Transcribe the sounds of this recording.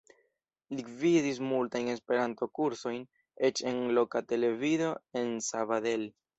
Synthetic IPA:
lividis̬multajne̞spe̞ɾanto̞kuɾso̞jn | e̞t͡ʃe̞nlo̞kate̞le̞vido̞e̞nsavade̞l

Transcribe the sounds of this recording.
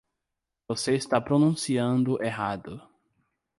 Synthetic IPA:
voseist̪apɾonũsiɐ̃nd̪ʊʔeɦad̪ʊ

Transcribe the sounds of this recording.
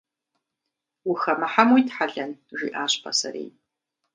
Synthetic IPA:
wʊxɐmɐħamwijtħaɮɐnʒʷḭːʔaːɕpʰɐ̰sɐ̰ɾḛː

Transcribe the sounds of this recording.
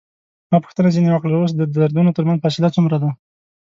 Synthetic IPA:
mɑpə̥xt̪ənat͡ʃenewakɽaawos̬d̪əd̪aɾd̪unot̪əɾmanzfɑsɪlat͡sumɾad̪a

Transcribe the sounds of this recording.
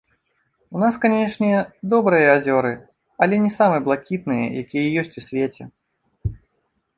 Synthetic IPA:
un̪askanʲɛʂnʲɛd̪ɔbɾɨjɐazʲɔɾɨ | ɐlʲɛnʲɛsamɨblˠakʲit̪̚nɨjɐ̰jakʲijɐjɔsʲt͡sʲusʲvʲet͡sʲɛ

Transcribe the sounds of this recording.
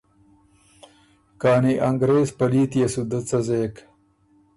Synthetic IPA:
kaːniʔɐŋɡɾeːzpɐliːt̪jesud̪ət͡sɐzeːk

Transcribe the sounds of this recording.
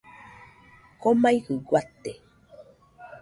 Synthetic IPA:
komajhɯɡwat̪ːe

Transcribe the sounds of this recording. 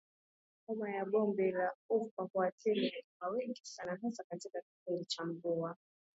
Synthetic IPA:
ɔmajaɓɔmbɛlaɔfahuatʰɛlɛwawɛŋɡisanaɦasakatikaki̥pindit͡ʃam̩bɔa

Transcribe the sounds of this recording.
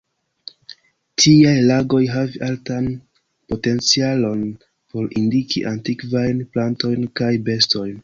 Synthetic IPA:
tʰiajlaɡo̞jɦaviʔaltan | po̞te̞nt͡sialo̞n | po̞ɾindikḭʔantikvajnplanto̞jnkajbe̞sto̞jn

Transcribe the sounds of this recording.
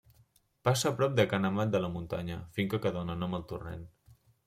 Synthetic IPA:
pasəːpɾɔp̚d̪əkanəmat̪̚d̪ələmunt̪aɲəfiŋkəkəðɔnənɔməlˠt̪urḛn

